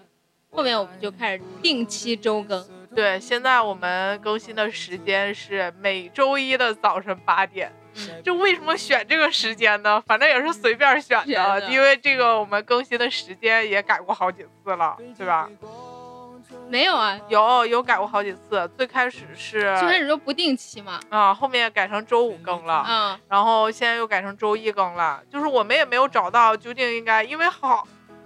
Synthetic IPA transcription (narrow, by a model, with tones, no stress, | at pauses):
xo˥˧mjɛ˧˥nwɔ˨˩mə˦nt͡ɕjo˥˧ʊkʰa˥˩nʂɻ̩˨˩˨t̪i˥˩ŋt͡ɕʰi˥ʈ͡ʂo˥ʊkɤ˥ŋt̪we˥˩ɪɕjɛ˥˧nt͡sa˥˩ɪwɔ˨˩mə˦nkɤ˥ŋɕi˥nd̪ə˨ʂɻ̩˧˥t͡ɕjɛ˥nʂɻ̩˥˩me˨˩ɪʈ͡ʂo˥ʊi˥d̪ə˨t͡sɑ˨˩ʊʂʰɤ˥˩ŋpa˥t̪jɛ˨˩˦n | t͡ɕjo˥˧we˥˩ɪʂə˧˥nmə˧ɕɥɛ˨˩nʈ͡ʂɤ˥˩ɡə˩ʂɻ̩˧˥t͡ɕjɛ˥nnə˨fa˨˩nʈ͡ʂɤ˥ŋjɛ˨˩ʂɻ̩˥˩swe˧˥ɪpjə˥˩ɕɥɛ˨˩nd̪ə˦i˥nwe˥˧ɪʈ͡ʂɤ˥˩ɡə˩wɔ˨˩mə˦nkɤ˥ŋɕi˥nd̪ə˨ʂɻ̩˧˥t͡ɕjɛ˥njɛ˧˥ka˨˩ɪkwɔ˥˩xɑ˧˥ʊt͡ɕi˨˩t͡sʰɹ̩˥˩lə̰˩t̪we˥˩ɪbɐ˩ | me˧˥ɪjo˨˩ɐ˦jo˧˩ʊ˩jo˧˥ʊka˨˩ɪkwɔ˥˩xɑ˧˥t͡ɕi˨˩t͡sʰɹ̩˥˩t͡swe˥˩ɪkʰa˥ɪʂɻ̩˨˩ʂɻ̩˥˩˥o˥pu˧˥t̪i˥˩ŋt͡ɕʰi˧˥mɐ̰˧ə˥˧xo˥˧ʊmjɛ˥˩jɛ˧˥˩ka˨˩ɪʈ͡ʂʰɤ˧˥ŋʈ͡ʂo˥ʊu˨˩kɤ˥ŋlə˨˧ɻa˧˥nxo˥˧ʊɕjɛ˥˧nt͡sa˥˧jo˥˩ka˨˩ɪɤ˧˥ŋʈ͡ʂo˥ʊi˥˧kɤ˥ŋlə̰˨t͡ɕjo˥˧ʊʂɻ̩˥˩wɔ˨˩m˧˥ɪjɛ˨˩me˧˥ɪjo˧˥ʊʈ͡ʂɑ˨˩ʊt̪ɑ˥˩ʊt͡ɕjt̪i˥˩ŋi˥ŋka˥ɪi˥nwe˥˩ɪxɑ˧˩˦ʊ